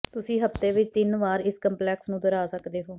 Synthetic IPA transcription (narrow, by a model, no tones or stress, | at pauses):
t̪ʊsĩːɦəft̪eːʋɪt͡ʃt̪ɪnʋaːɾɪskəmplɛːksnũːd̪əɾaːsəkd̪eːɦoː